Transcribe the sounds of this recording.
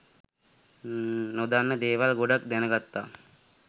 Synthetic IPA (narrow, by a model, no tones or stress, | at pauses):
nod̪anːəd̪eːʋalɡoɖak̚d̪ɛnəɡat̪ːaː